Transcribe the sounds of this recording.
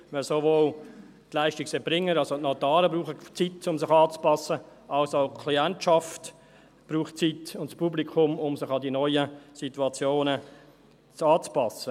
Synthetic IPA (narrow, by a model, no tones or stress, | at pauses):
mɛlsovoːl | tlæɪʃtiksɛb̥ɾɪŋːəɾɑlsotnɔtɑːɾəbɾuːχət͡sitːʊmsɪχɑːt͡spɑsə | ʔɑlsaʊkʰliɛntʃɑft | b̥ɾuːχtt͡sitʊntspublikʰʊmʊmsɪχɑdinɔʏəsituɑt͡sjoːnə | t͡sɑːt͡spɑsə